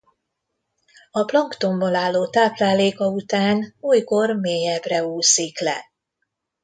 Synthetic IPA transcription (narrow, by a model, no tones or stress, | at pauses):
ɒplɒŋkt̪o̞mbolaːlːoːt̪aːplaːleːkɒut̪aːnuːjko̞rmeːjɛbrɛuːsiklɛ̰